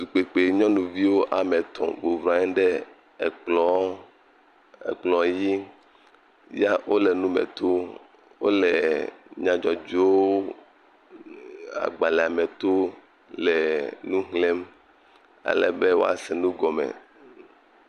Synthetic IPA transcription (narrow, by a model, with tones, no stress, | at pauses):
d̪u˨k͡pe˨k͡pe˨ɲɔ̃˦nũ˨vi˦wo˦ʔa˨mɛ˨t̪ʰɔ̰̃˨bo˨vɾã˨˦ɛ̃˦ɖɛ˦ | ɛ˨k͡plɔ˦ | ɛ̰˨k͡plɔ̃˨ji˦ | ja˦wʔo˦lɛ˨nũ˦mɛ̰̃˨t̪o˦ | wo˦lɛ˨ɲã˨d͡ʒɔ˨d͡ʒo˦ | a̰˨ɡ͡ba˨lɛ˨a˨mɛ̃˨t̪o˦ | lɛ˨nũ˦ɦlẽ˦m | a̰˨lɛ̰˨be˦wo̰˦a̰˨sɛ˨nũ˦ɡɔ˨mɛ̰˨